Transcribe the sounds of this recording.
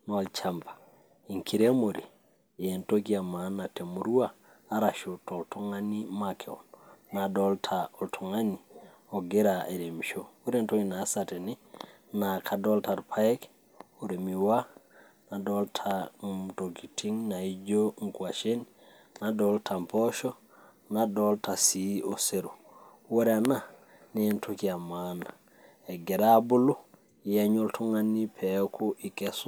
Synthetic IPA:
nɔalt͡ʃampḁ | iŋkʰiɾemoɾḭ | entoɡiamanatemuɾuaː | ɾaʃotɔltoŋanimakʰeɔ̰nnadɔltʰaɔltʰoŋani | ɔɡeɾaeɾemʃouɾentoɡinasateni | nakʰadɔltaɾpʰaɛk | oɾemiwa | nadoltʰatoɡitʰiŋnaiɟoŋkuaʃin | nadoltʰampoʃo | nadoltasioseɾu | wuɾena | nentukiamana | eɡeɾabulu | jaɲoltʰuŋanːipʰekʰuʔikesu

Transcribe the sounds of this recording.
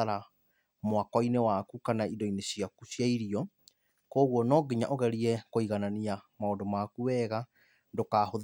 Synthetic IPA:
aɾa | moakwɔinewakukanaindɔinesiakusjaiɾiɔ | koːɣwɔnɔɡeɲa̰ʔoɣɛɾiɛkoiɣananiamaondomakuwɛːɣa | ndokahoð

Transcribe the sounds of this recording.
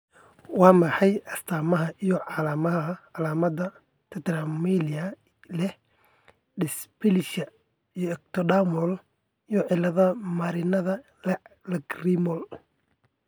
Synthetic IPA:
wɑːmɐħɑjɐst̪ʰaːmɐɦɐʔijɔʕɑlaːmɐɦɐʕɑlaːmɐd̪ɐ | t̪ʰɐt̪ɾamiliɐ | lɛ | ɖɪspɪlʃɐ | ijɔɛk̚t̪ʰɔɖamɔl | ijɔʕɪlːɐðɐmɐɾɪnɐðɐ | lɐɡrimɔl

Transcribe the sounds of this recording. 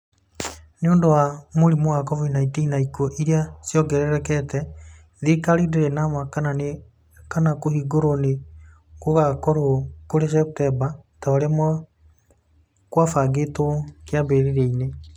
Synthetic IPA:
neoːndowamoɾimoɣakɔvinaitinaikuɔʔiɾeasjɔɡɛɾɛɾɛkɛtɛ | ðekaɾideɾenamakanan | kanakohiɡoɾone | koɣakɔɾokoɾes̬ɛp̚tɛbataoɾemɔ | kwafaɡetokjabeɾeɾeine

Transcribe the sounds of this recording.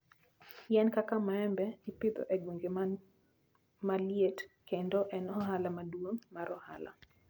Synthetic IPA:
jɛnkakamaɛmbɛipɪd̪o̰ʔɛɡweŋɡe | maljetkendoʔɛnɔɦalamadwoŋmaɾɔha̰la̰

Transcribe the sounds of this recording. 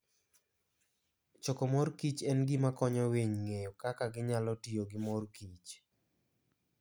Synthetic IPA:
t͡ʃokɔmɔrkit͡ʃɛnɡɪmakɔɲɔweɲŋejɔkakaɡɪɲalɔtɪjoɡɪmɔrkit͡ʃ

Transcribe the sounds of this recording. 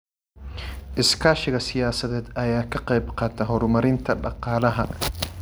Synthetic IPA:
ʔɪskʰaːʃɪɣɐsɪjaːsɐðɛːd̪ɐjaːkʰɐqɛjbqɑːt̪ʰaːɦɔɾʊmɐɾɪnt̪ʰɐɗɑqɑːlɐɦɐ

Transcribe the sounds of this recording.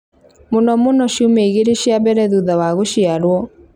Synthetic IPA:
monɔmonɔɕumeiɣeɾeɕiabɛɾɛðuðawaɣoʃiaɾwɔ

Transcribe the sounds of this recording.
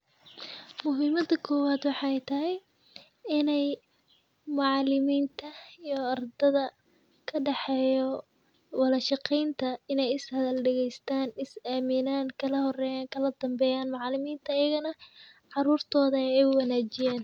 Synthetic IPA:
mʊɦiːmɐd̪ɐkʰɔːwaːd̪wɑħɑɛjt̪ʰɐɦɛj | ɪnɛj | mʊʕɑlɪmiːnt̪ʰɐijɔɐrd̪ɐðɐ | kʰɐɖɑħɛːjɔ | wɑlɐʃɑqɛjnt̪ʰɐɪnɛjɪshɐðɐlɖɐɣɛjst̪ʰaːnɪsaːmɪnaːŋkʰɐlɐɦɔrɛːjaːŋkʰɐlɐd̪ɐmbɛːjaːnmɑʕɑlɪmiːnt̪ʰɐːjɐɣɐnɐ | ʕɑɾuːrt̪ʰɔːðɐjɛjwɑlaːt͡ʃɪjaːn

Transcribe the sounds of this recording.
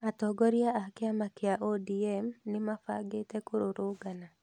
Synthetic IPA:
atɔɡɔɾjaakɪamakɪaʔodiɛmnɪmafa̰ɡetekʊɾoɾʊɡana

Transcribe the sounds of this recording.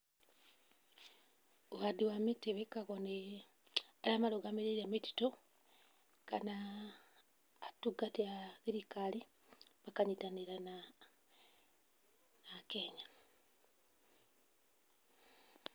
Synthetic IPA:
uwadiwameteβekaɣone | alamaloɡameɾeɾameti̥to | ka̰na | tuɡateaɣiɾikali | βakaɲitaniɾana | nakeɲa

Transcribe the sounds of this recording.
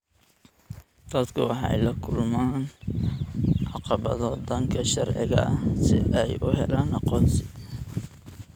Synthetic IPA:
d̪̥ɐd̪kʰʊwɑħɑ̰jlɐkʰʊlmaːn | ʕɑqɑβɐ̰ðɔːd̪ɐŋkʰɐʃɐrʕɪ̰ɣɐ̰sɪ̰ʔɛjʔʊɦɛlaːnɑqɔːnsɪ̥

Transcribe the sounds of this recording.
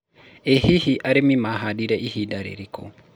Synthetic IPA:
ehihiʔaɾemimaɦadiɾɛʔihidaɾḛɾiko̰

